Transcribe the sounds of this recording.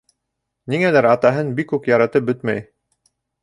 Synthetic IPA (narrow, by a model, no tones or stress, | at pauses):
niŋælæɾɑt̪ɑɦɤnbikːʉkjɑɾɑt̪ɤp̚bɵt̪mæj